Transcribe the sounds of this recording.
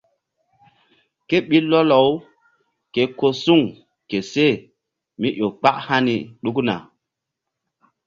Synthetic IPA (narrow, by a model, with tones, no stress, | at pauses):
ke˦ɓi˦lɔ˦lɔ˨w | ke˨ko˦su˦˨ŋ | ke˨se˦˨ | mi˦ʔo˨k͡pa˦ʔha˦nḭ˨ɗu˦kna̰˨